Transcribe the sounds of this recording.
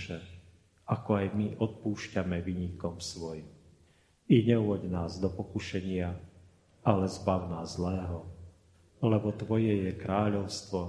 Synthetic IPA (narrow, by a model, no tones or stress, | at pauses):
ʃɛ | akɔajmiʔɔt̪̚puːʃcamɛʋiɲikɔmsʋɔjim | iɲɛuɔɟnaːzd̪ɔpɔkuʃɛɲɪa | alɛzbawnaːzzlɛːɦɔ | lɛbɔt̪ʋɔjɛjɛkɾaːʎɔʊst̪ʋɔ